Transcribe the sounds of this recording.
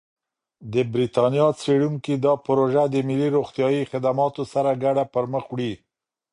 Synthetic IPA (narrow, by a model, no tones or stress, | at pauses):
d̪əbɾit̪ɑnjɑt͡seɽuŋkid̪ɑpɾoʒad̪əmɪlːiɾoxt̪jɑjixɪd̪amɑt̪osaɾaɡaɽapəɾməxwɽi